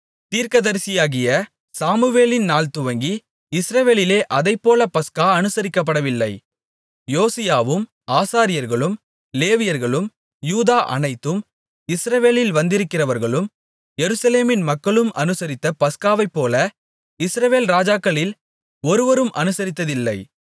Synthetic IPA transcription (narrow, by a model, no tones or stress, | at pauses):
t̪iːɾkɐðɐɾsɪjaːɣɪjɐ | saːmɯʋeːlɪnnaːlt̪ʊʋɐŋɡi | ɪsɾɐʋeːlɪleːʔɐðɐɪpːoːlɐpɐskaːɐnɯsɐɾɪkːɐpːɐɽɐʋɪlːɐɪ | joːsɪjaːʋɯm | aːsaːɾɪjɐɾɣɐɭɯm | leːʋɪjɐɾɣɐɭɯm | juːðaːʔɐ̰nɐɪt̪ːɯm | ɪsɾɐʋeːlɪlʋɐnd̪ɪɾɯkːɪrɐʋɐɾɣɐɭɯm | jɛɾɯsɐleːmɪnmɐkːɐɭɯmɐnɯsɐɾɪt̪ːɐpɐskaːʋɐɪpːoːlɐ | ɪsɾɐʋeːlɾaːd͡ʒaːkːɐɭɪl | ɔɾɯʋɐɾɯmɐnɯsɐɾɪt̪ːɐðɪlːɐɪ